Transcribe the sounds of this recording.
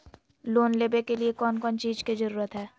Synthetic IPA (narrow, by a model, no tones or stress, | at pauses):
loːnleːbekeliekɔːnkɔːnt͡ʃiːd͡ʒkid͡ʒəɾuːɾət̪ɦɛː